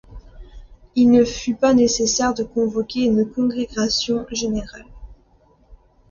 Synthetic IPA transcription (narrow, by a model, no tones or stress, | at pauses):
ilnəfypanesesɛʁd̪əkɔ̃vɔkʲeynəkɔ̃ɡʁeɡasjɔ̃ʒeneʁal